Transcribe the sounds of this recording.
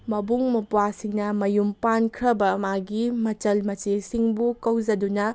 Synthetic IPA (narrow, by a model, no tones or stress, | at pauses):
mɐbuŋmɐpuasiŋnɐmɐjumpankʰɾɐbɐmaɡimɐt͡ʃɐlmɐt͡ʃesiŋbukɐwzɐdunɐ